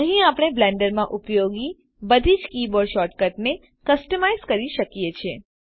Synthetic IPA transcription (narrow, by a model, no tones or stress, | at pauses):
əɦĩapɽ̃eblɛ̃ɳɖəɾmãʔʊpjoɡi | bəd̪ʱid͡ʒkiboɖʃɔʈkəʈne | kəsʈəmajzkəɾiʃəkijet͡ʃʰe